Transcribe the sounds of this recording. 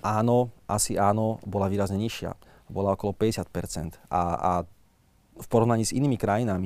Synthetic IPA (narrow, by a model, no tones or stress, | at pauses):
ʔaːnɔʔasiaːnɔbɔlaʋiːɾazɲɛɲiʃɪa̰ | bɔlaɔkɔlɔpɛɟɛsjat̪̚pɛɾt͡sɛ̰nt̪a̰a | fpɔɾɔʋnaɲiːziniːmikɾajinami